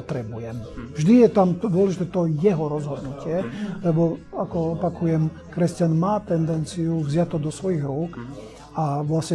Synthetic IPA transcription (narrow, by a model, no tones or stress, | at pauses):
t̪ɾɛbujɛmvʒd̪ijɛt̪amd̪ʊɔlɛʒit̪ɛːt̪ɔjɛɦɔɾɔzɦɔd̪nucɪɛlɛbɔakɔɔpakujɛm | kɾɛscanmaːt̪ɛnd̪ɛnt͡sijuvzɪat̪ːɔd̪ɔsʋɔjiɣɾuːk | aʋlasɲɛ